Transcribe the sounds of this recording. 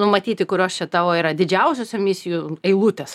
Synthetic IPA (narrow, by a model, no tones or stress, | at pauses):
nʊmɐt̪ʲiːt̪ʲɪkʊɾʲoːst͡ʃʲɛt̪ɑːʋoːiːɾɐd̪ʲɪd͡ʒʲɛʊsʲosʲɛmʲɪsʲɪjuɛɪlˠuːt̪ʲes